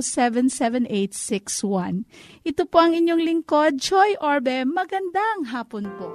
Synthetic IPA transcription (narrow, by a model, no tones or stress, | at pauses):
sɛvɛnsɛvɛnʔejt̪̚sɪkswãnʔɪt̪opoɐŋɪɲjoŋlɪŋko̞d̪̚d͡ʒojʔoɹbɛmɐɡɐnd̪aʔɐŋɦaːponpo